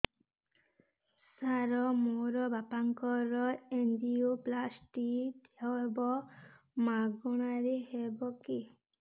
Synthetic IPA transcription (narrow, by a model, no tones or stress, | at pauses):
saɾɔmoɾɔbapaŋkɔɾɔendiuplasʈid̪aebɔ | maɡɔɽ̃aɾehebɔki